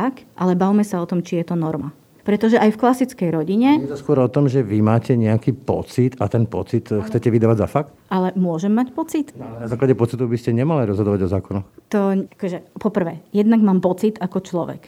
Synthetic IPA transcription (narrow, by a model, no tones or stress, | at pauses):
akʔalɛbawmɛsaɔt̪ɔmt͡ʃijɛt̪ɔnɔɾma | pɾɛt̪ɔʒɛʔajfklasit͡skɛjɾɔɟiɲɛjɛt̪ɔskʊɔɾɔt̪ɔmʒɛʋimaːcɛɲɛakiːpɔ̰t͡sit̪at̪ɛnpɔt͡sit̪xt͡sɛcɛʋid̪aːʋaɟzafakt̪ʔalɛmʊɔʒɛmːacpɔt͡sit̪nalɛnazaːklaɟɛpɔt͡sit̪ɔʊbiscɛɲɛmaliɾɔzɦɔd̪ɔʋaɟɔzaːkɔnɔxt̪ɔakɔʒɛpɔpr̩ʋɛːjɛd̪naɡmaːmpɔt͡sit̪akɔt͡ʃlɔʋɛ̰k